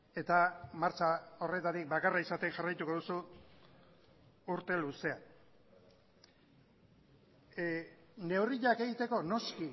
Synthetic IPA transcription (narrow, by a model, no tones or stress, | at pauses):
e̞t̪amaɾt͡ʃao̞re̞t̪at̪ik̚bakaraisat̪e̞ŋʝarajt̪uko̞ðusu | ɾt̪e̞luse̞a | ne̞uriʎake̞ɣit̪e̞ko̞no̞ski